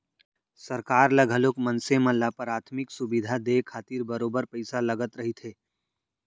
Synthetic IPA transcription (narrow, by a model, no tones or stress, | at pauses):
səɾkaːɾləɡʱəloːkmənsemə̃lapəɾaːt̪ʰmɪksʊbid̪ʱad̪ekʰaːt̪iːɾbəɾoːbəɾpəɪsaləɡət̪ɾəɦit̪ʰɦeː